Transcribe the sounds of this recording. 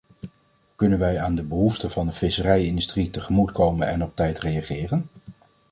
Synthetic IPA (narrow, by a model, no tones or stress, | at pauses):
kɵnənʋɛjaːndəbəɦuftəvɑndəfɪsərɛjɪndystritəχəmutkowmənɛ̰nɔp̚tɛjtrejaχɪːrən